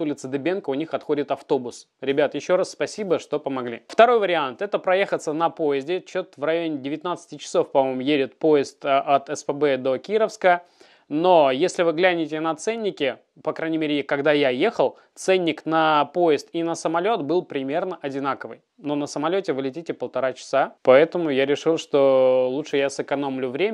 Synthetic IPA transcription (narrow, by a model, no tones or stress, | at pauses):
t̪ulʲɪt̪sɨd̪ɨbʲenkəʊnʲixɐt̪xodʲɪt̪ɐft̪o̞bʊs | ɾʲɪbʲat̪jɪɕːo̞ɾasspɐsʲibəʂt̪o̞pəmɐɡlʲḭft̪ɐɾo̞jvəɾʲɪant̪ɛt̪əpɾɐjexət̪sənɐpo̞ɪzʲdʲɪt͡ɕot̪vrɾɐjonʲɪdʲɪvʲɪt̪nat̪sɨ̥tʲɪt͡ɕɪ̥so̞fpɐmo̞jmʊjeɾʲɪt̪̚po̞ɪst̪ʔɐt̪ɛspəbɛd̪o̞kʲiɾəfskə | no̞jesʲlʲɪvɨɡlʲænʲɪtʲɪnɐt̪sɛnʲːɪkʲɪ | pɐkɾanʲɪmʲeɾʲɪɪkɐɡd̪ajaje̞xəlˠ | t̪sɛnʲːɪknɐpoɪst̪inəsəmɐlʲo̞t̪bɨlˠpɾʲɪmʲe̞rnəʔɐdʲɪnakəvɨ̰j | no̞nəsəmɐlʲotʲɪvɨlʲɪtʲitʲɪpəlˠt̪ɐɾat͡ɕɪ̥sapɐɛt̪əmʊjaɾʲɪʂɨlˠʂt̪o̞lˠutʂɨjasɨkɐno̞mlʲʊvɾʲemʲ